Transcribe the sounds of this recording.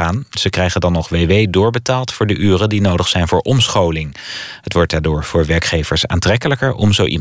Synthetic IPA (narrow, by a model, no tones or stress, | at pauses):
aːnz̥əkrɛjχəndɑnːɔχʋejʋejdʊːɹbətaːlˠtfʊːɹdəʔyːrədinowdəχsɛjnvʊːɹʔɔmsχowlɪŋɦətʋɔɹt̚daːdʊːɹv̥ʊːɹʋɛɹkχejvəɹsa̰ːntrɛkələkəɹɔmzowʔḭ